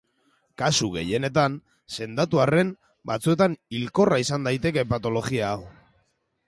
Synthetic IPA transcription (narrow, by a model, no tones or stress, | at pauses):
kasuɣe̞̰je̞ne̞t̪an | se̞nd̪at̪uare̞m | bat͡sue̞t̪anilko̞raisand̪ajt̪e̞ke̞pat̪o̞lo̞ɣiaːw